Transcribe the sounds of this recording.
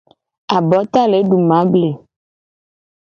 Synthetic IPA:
a˨bɔ˨˦t̪a˦le˨˦ɖu˨mã˨˦ble˨

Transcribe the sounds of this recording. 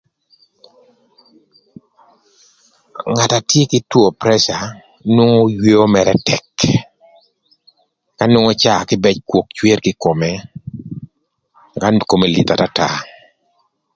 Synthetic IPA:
ŋa˨ta˨tje˦kɪ˦two˨pɾɛ˦ʃa˨ | nwo˦ŋo˦jwe˦o˦mɛ˨ɾɛ˦tɛ˨k | ka˦nwo˦ŋo˦t͡ʃa˦˨kɪ˦bɛ˦t͡ʃkwo˨k̚t͡ʃwe˦rkɪ˦ko˨mɛ | ka˦nko˨me˨lḭ˨t̪a˨ta˦ta̰˦

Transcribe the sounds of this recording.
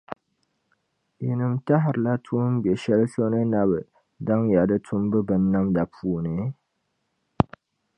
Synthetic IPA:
ji˨nɨ˨mta˦ɦɪ˨ɾɨ˨la˦tʰuː˦m˦bɛ˨ʃɛ˦lso˦nɨ˦na˦bɨ˨ | da˦ŋja˨dɨ˦tʰʊ˦mbɨ˦bɨ˨nːa˦mda˨pʰuː˨˦nɨ˨

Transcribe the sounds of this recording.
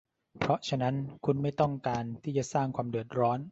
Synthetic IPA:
pʰɾɔ˦˥t͡ɕʰa˧na˦˥nkʰu˧nma˥˩jt̪ɔ˥˩ŋkaː˧nt̪ʰiː˥˩t͡ɕa˨˩saː˥˩ŋkʰwaː˧mdɯ˨˩ət̪̚ɾɔː˦˥n

